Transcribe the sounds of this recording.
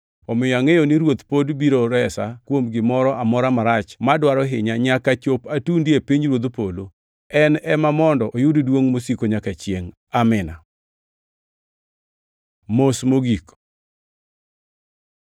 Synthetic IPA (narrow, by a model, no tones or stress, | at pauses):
ɔmɪjɔaŋejoniɾwot̪podbiɾoɾɛsakwomɡɪmɔɾɔʔamɔɾamaɾat͡ʃmadwaɾɔɦɪɲaɲakat͡ʃopatundiepiɲɾwod̪polo | ɛnɛmamɔndɔʔojuddwoŋmosikoɲakat͡ʃjeŋ | amɪna | mosmoɡik